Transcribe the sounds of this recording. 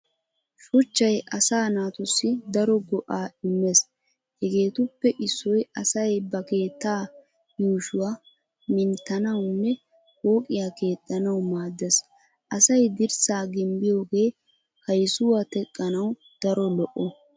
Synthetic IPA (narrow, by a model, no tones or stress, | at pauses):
ʃʊt͡ʃːɐjʔɐsaːnaːt̪ʊsːɪd̪ɐɾɔɡɔʔaːɪmːes | hɛɡe̞ːt̪ʊpːɛʔɪsːɔjɐsɐjbɐke̞ːt̪ːaː | juːʃʊwaː | mɪnt̪ːɐnɐwnːɛ | ho̞ːkʼɪjaːke̞ːt̪ʼːɐnɐwmaːd̪ːɛs | ʔɐsɐjd̪ɪɾsaːɡɪmbɪjo̞ːɡe̞ː | hɐjsʊwaːt̪ɛkʼːɐnɐw | d̪̥ɐɾɔlɔʔːɔ